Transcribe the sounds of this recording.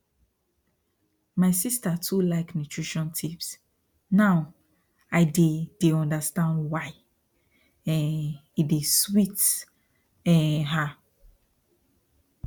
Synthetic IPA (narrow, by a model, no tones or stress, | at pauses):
maɪsistatʰulaɪknutʰɹiʃɔ̃ntʰips | naʊ | aɪded̥eɔ̃ndastãndwaɪ | ɛ̃nideswit | ɛ̃nɦa